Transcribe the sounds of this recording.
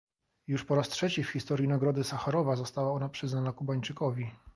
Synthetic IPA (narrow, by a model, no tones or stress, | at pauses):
juʂpɔɾastʂɛt͡ɕifxʲist̪ɔɾjinaɡɾɔd̪ɘsaxaɾɔvazɔst̪awaɔnapʂɘznanakubaɲt͡ʂɘkɔvʲi